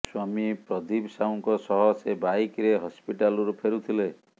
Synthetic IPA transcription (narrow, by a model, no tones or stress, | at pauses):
swamipɾɔd̪ibsauŋkɔsɔɦɔsebajkɾeɦɔspiʈalɾupʰeɾut̪ʰile